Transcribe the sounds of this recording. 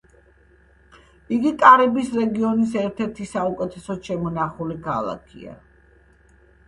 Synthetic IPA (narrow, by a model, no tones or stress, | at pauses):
iɡikʼaɾɛbisɾɛɡiɔnisɛɾt̪ʰɛɾt̪ʰisaukʼɛt̪ʰɛsɔʃɛmɔnaχulikʰalˠa̰kʰḭa̰